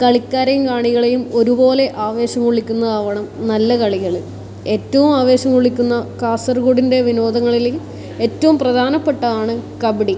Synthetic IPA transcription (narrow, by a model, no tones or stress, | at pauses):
kɐɭikʲːaːɾɐjumkaːɳiɣɐɭejumo̞ɾubo̞ːle̞ʔaːʋe̞ːɕɐmkuɭikʲːunːɐðaːʋɐɳɐmnɐlːɐkɐɭiɣɐɭɨ | e̞ːtːɐʋumaːʋe̞ːɕɐmkuɭikʲːunːɐkaːsɐrɡoːɽinde̞ʋino̞ːd̪ɐŋːɐɭil | e̞tːɐʋumprɐd̪ʱaːnɐpːe̞ʈːɐðaːɳɨkɐbiɽi